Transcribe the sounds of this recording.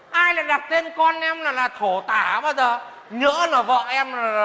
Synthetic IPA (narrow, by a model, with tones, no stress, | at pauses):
ʔaː˧jla̰ː˧˨jɗa˨˩t̚t̪e˧nkɔ˧nʔɛ˧mlaː˨˩laː˨˩t̪ʰo˧˩t̪aː˧˩ɓaː˧zəː˨˩ | ɲə̰˧˥nəː˧˩vɔ̰˧˨ʔɛ˧mla˨˩˨